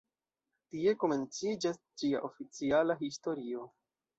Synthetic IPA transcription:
tie̞ko̞me̞nt͡sid͡ʒas | d͡ʒia̰ʔo̞fit͡sialaɦisto̞ɾio̞

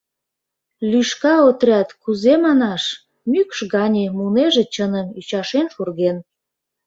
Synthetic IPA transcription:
lyʃkɑot̪rʲɑt̪kuzemɑnɑʃ | mykʃɣɑnʲemuneʒet͡ɕənəmyt͡ɕɑʃenʃurɣen

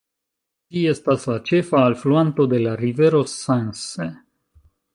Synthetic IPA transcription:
d͡ʒie̞staslat͡ʃe̞faːlfluanto̞de̞laɾive̞ɾo̞sense

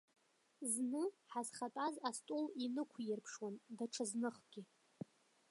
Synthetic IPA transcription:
znɨħazχatʼazastʼulinɨkʷʰjɪrpʰʂwandaʈ͡ʂʰaznɨχɡʲɪ

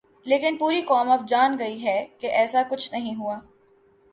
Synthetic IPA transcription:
leːkɪnpuːɾikɔːmɐb̚d͡ʒaːnɡɐiɦɛkeʔɛːsakʊt͡ʃʰnɐɦĩɦuaː

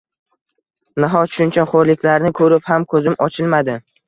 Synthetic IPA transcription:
naɦɒʃʊnt͡ʃʰaχoɾlɪkʲlaɾnɪkʰɵɾɪphamkʰɵzɪmɒt͡ʃʰɪlmad̪ɪ

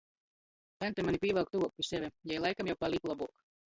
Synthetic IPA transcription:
t̪ɛnt̪ɛmanipʲiːvɛlˠk̚t̪uɔk̚pʲisɛvʲɛjɛjlˠajkamjawpalʲiklˠabuɔk

